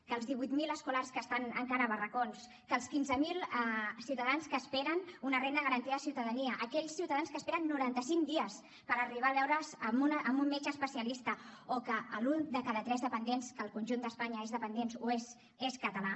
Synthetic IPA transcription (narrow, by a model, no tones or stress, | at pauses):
kəːlˠzðiβujt̪miləskularskəst̪anə̰ŋkaɾəβərəkons | kəlˠskinzəmilˠɛsiwt̪əðanskəːspɛɾənunərend̪əðəɣəɾənt̪iəəsiwt̪əðəniəʔəkɛʎsiwt̪əaðanskəspeɾənːuɾant̪əsiŋkd̪iəs | pəɾəriβ̞aːβɛwɾəzəmunʔəmbumːet͡ʃəspəsiəlist̪əokəəlund̪əkaðət̪ɾɛzðəpənd̪enskəːlˠkunʲʒund̪əspaɲəezðəpənd̪ensues | eskət̪əla